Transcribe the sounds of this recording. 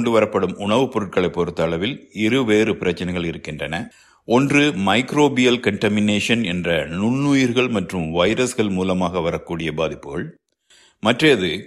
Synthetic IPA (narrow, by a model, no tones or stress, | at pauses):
ɳɖɯʋɐɾɐpːɐɽɯmʊɳɐʋɯpːɔɾɯʈ̚kɐɭɐɪpːɔɾɯt̪ːɐːɭɐʋɪlɪɾɯʋeːrɯpɪɾɐt͡ʃːɐnɐɪɣɐɭɪɾɯkːɪndrɐnɐ | ʔɔndrɯmɐɪkɾoːbɪjɐlkɐɳʈɐmɪneːʂɐnɛndrɐnʊɳːuːjɪɾɣɐɭmɐʈrɯmʋɐɪɾɐsɣɐɭmuːlɐmaːɣɐʋɐɾɐkːuːɽɪjɐbaːðɪpːɯɣɐɭ | mɐʈrɐɐðɯ